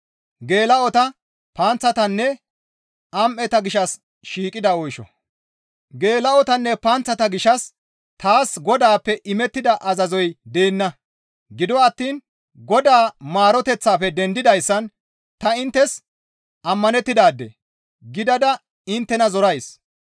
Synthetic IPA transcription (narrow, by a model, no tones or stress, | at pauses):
ɡe̞ːlɐɔt̪ɐ | pɐnt͡sːɐt̪ɐnːɛ | ɐmʔɛt̪ɐɡɪʃɐs | ʃiːkʼɪd̪ɐɔjʃɔ̰ | ɡe̞ːlɐɔt̪ɐnːɛpant͡sːɐt̪ɐɡɪʃɐs | t̪aːsɡɔd̪aːpːɛʔɪmɛt̪ːɪd̪ɐʔɐzɐzɔjd̪eːnːɐ | ɡɪd̪ɔɐt̪ːiːn | ɡɔd̪aːmaːɾɔt̪ɛt͡sːaːfɛd̪ɛnd̪ɪd̪ɐjsːɐn | t̪ɐɪnt̪ːɛs | ʔɐmːɐnɛt̪ːɪd̪aːd̪ːɛ̰ | ɡɪd̪ɐd̪ɐ | ɪnt̪ːɛnɐzɔɾɐjs